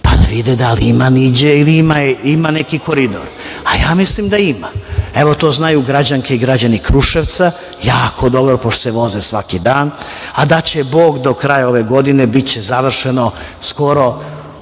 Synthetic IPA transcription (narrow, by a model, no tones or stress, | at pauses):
pa̰d̪a̰ʋid̪ed̪aliimanid͡ʑeiliimaimanekikoɾid̪o̰ɾ | a̰jaːmislimd̪aimaeʋo̞t̪o̞ːznajuɡɾad͡ʑaŋkeiɡɾad͡ʑanikɾuʃeʋt̪sa | jaːko̞d̪o̞bɾopoʃt̪oseʋo̞zesʋakid̪aːn | ad̪at͡ɕe̞bo̞ːɡd̪o̞kɾajao̞ʋe̞ɡo̞d̪inebit͡ɕezaʋr̩ʃenosko̞ɾo̞